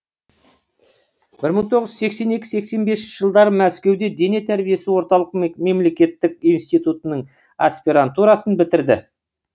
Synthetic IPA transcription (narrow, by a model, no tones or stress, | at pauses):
b̥ɪɾməɴt̪ʰo̞ʁəzʒse̞kse̞ne̞kʲɪ̥se̞kse̞nbe̞sɪnʃɪʒəlˠd̪ɑɾəmæskʲe̞wd̪e̞d̪e̞ne̞t̪ʰæɾbije̞sɪwo̞ɾt̪ɑlˠəqme̞mle̞kʲe̞t̪ːɪkijnst̪ijt̪ut̪ənəɴ | aspʲiɾant̪uɾɑsənbɪt̪ɪɾd̪ɪ